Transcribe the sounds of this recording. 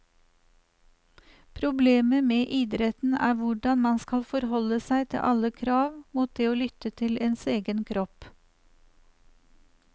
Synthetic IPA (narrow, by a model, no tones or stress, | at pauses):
pʰɾʊbleːməmeːʔiːd̪ɾɛt̪n̩æ̰ːʋʊɖɑnmɑnskɑlfɔɾhɔləsæɪt̪ʰɪ̰ʔɑləkʰɾɑːʋmuːt̪̚d̪eːoːlʏt̪ət̪ʰɪleːnseːɡənkʰɾɔp